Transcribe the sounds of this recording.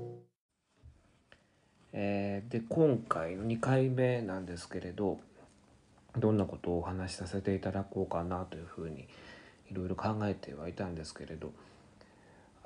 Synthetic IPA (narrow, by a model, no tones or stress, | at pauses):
eːd̪e̞kõ̞ŋkaino̞ɲ̟ikaime̞nãnd̪e̞sɨ̥ke̞ɾe̞d̪o̞ | d̪õ̞nːako̞t̪o̞ːhanaɕi̥sase̞t̪e̞it̪ad̪ako̞ːkanat̪o̞jɯ̟ɸɯ̟ːɲ̟iiɾo̞iɾo̞kãŋɡae̞t̪ʰe̞βait̪ãnd̪e̞sɨ̥ke̞ɾe̞d̪o̞̰